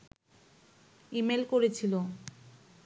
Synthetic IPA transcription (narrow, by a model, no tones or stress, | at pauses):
imelkoɾet͡ɕʰilo